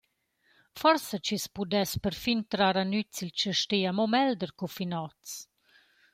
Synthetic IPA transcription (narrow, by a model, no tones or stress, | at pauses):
fɔɾsat͡ʃispud̪ɛspəɾfint̪ɾaɾanyt͡silt͡ʃəʃtiamɔmɛld̪əɾkɔfinɔt͡s